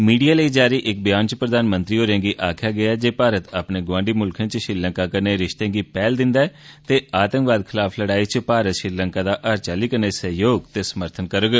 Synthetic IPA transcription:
miːɖijaːləiːd͡ʒaːɾiːʔɪk̚bɪjaːnt͡ʃpɾəd̪aːnmə̃nt̪ɾiːɦoːɾẽːɡiːʔaːkʰjaːɡɪaɛd͡ʒeːpaːɾət̪apneːɡʋãːɳɖiːmʊlkʰə̃nt͡ʃʃɪɾlə̃ŋkaːkəɾneːɾɪʃt̪ẽːɡiːpɛːld̪ɪnd̪aːɛːt̪eːaːt̪ə̃ŋkʋaːd̪̚kʰɪlaːpʰləɽaːiːt͡ʃpaːɾət̪ʃɾɪɾləŋkaːd̪aːʔaːɾt͡ʃaːliːkəɾneːsəɦjoːɡt̪eːsəməɾt̪ʰənkəɾəɡ

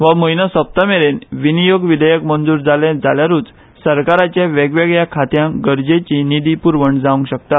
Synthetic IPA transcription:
ʋaməjnasəp̚t̪ameɾenʋinijoɡʋid̪ʱəjəkmənd͡zuːɾd͡zaled͡zaljaɾuːt͡s | səɾkaɾat͡ɕjaʋɛɡʋɛɡjakʰat̪jãɡəɾd͡ʑet͡ɕinid̪ipuɾʋəɳd͡zaʋə̃ŋkɕək̚t̪at̪̚

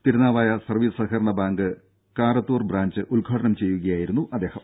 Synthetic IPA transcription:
t̪iɾunaːʋaːjɐsɐrʋiːsɨsɐkɐɾɐɳɐbaːŋɡɨ | kaːɾɐt̪ːuːrbraːɲd͡ʑɨʔuɭɡʱaːɖɐɳɐmt͡ɕe̞jːuɣɐjaːjiɾunːuʔɐd̪ːe̞ːhɐm

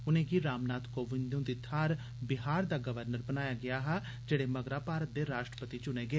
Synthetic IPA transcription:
ʊnẽːɡiːɾaːmnaːt̪koːʋɪnd̪ũːd̪ɪt̪ʰaːɾ | bɪɦaːɾd̪aːɡəʋəɾnəɾbənaːjaːɡɪaːɦaː | d͡ʒeːɽeːməɡɾaːpaːɾət̪̚d̪eːɾaːʃʈɾəpət̪iːt͡ʃʊneːɡɪeː

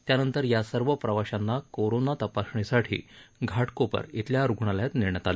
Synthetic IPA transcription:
t̪janənt̪əɾjasəɾʋəpɾəʋaɕanːakoɾonat̪əpasɳisaʈʰḭːɡʱaʈkopə̰ɾit̪ljaɾuɡʱɳaljat̪niɾɳ̃at̪ale

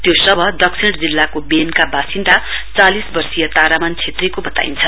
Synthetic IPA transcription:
t̪josʌbʱʌd̪ʌksʰiɳʈd͡zilːakobenkabasinʈ̪a | t͡salisbʌrsijʌt̪aɾamant͡sʰet̪rekobʌt̪a̰int͡sʰʌ

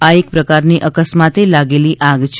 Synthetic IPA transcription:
aek̚pɾəkaɾniʔəkəsmat̪elaɡeliʔaɡt͡ʃʰ

